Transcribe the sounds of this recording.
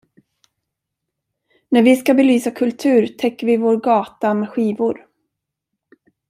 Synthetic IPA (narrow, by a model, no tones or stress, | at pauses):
næɾvɪskabɛlyːsakʰɵlt̪ʰʉ̟ːɾt̪ʰɛkːəɾvɪvoːɾɡɑːt̪amɛɧiːvʊɾ